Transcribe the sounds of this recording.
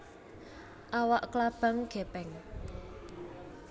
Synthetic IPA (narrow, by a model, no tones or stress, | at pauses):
ʔawaʔklab̥a̤ŋɡ̥epɛŋ